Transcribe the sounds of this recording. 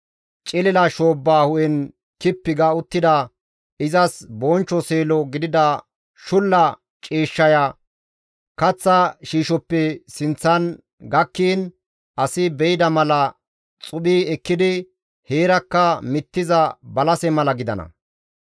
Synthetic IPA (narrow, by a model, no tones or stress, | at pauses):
t͡ʃʼɪlɛlɐʃoːbːaːhʊʔɛn | kɪpːɪɡɐʊt̪ːɪd̪ɐ | ɪzɐsbɔːnt͡ʃːɔse̞ːlɔɡɪd̪ɪd̪ɐ | ʃʊlːɐ | t͡ʃʼiːʃːɐjɐ | kɐt͡sːɐʃiːʃɔpːɛsɪnt͡sːɐn | ɡɐkːiːn | ʔɐsɪbɛjɪd̪ɐmɐlɐ | t͡sʼʊɓiːɛkːɪd̪ɪ | he̞ːɾɐkːɐmɪt̪ːɪzɐbɐlɐsɛmɐlɐɡɪd̪ɐ̰nɐ̰